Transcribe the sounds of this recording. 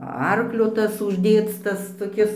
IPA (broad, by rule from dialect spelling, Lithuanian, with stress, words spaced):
ˈɐrklʲoː ˈtɐs ʊʒʲˈdʲeːt͡s ˈtɐs toːˈkʲɪs